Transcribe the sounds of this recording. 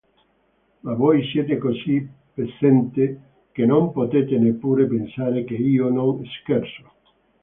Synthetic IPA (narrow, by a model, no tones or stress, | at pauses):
aβɔjset̪ekosipesent̪e | kenõmpot̪et̪enepːuɾepensaɾekeionõŋeskɛɾso̥